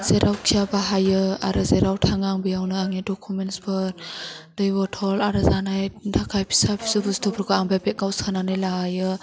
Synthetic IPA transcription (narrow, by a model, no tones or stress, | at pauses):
z̥eɾʔawkʰijabaɦajɯa̰ɾɯzeɾawtʰaŋaŋbijawnɯaŋedɔkʰumenspʰɯɾd̥ɯjbɔtʰɔlaɾɯzanajdʰakʰajpʰi̥sapʰi̥sɯbustʰɔpʰɾkʰɔaŋbajpet̚ɡawskʰananɯjlaɡajɯ